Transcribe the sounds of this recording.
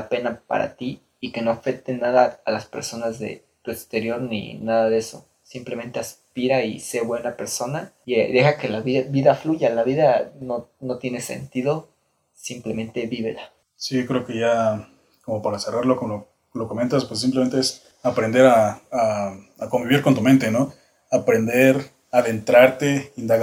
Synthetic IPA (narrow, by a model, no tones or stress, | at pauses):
ape̞napa̰ɾa̰t̪iː | ke̞no̞afe̞k̚t̪e̞naðaːlaspe̞ɾso̞nazðe̞̰ | t̪ue̞kst̪e̞ɾjo̞ɾnḭnaðaðe̞so̞̰ | simple̞me̞nt̪e̞aspiɾaiseβwe̞nape̞ɾso̞na | eðe̞xake̞laβiβiðafluʝalaβiðano̞no̞t̪je̞ne̞se̞̰nt̪iðo̞ | simple̞mẽ̞nt̪e̞βiβe̞̰la | sikɾe̞oke̞ʝa | ko̞mo̞paɾase̞raɾlokomo | lokome̞nt̪aspwes̬imp̬leme̞nt̪ees | apɾe̞nd̪eɾaː | ako̞mbiβiɾko̞nt̪̬ument̪e̞no̞ | apɾe̞nd̪eɾ | aðe̞nt̪ɾaɾt̪e̞ind̪aɣ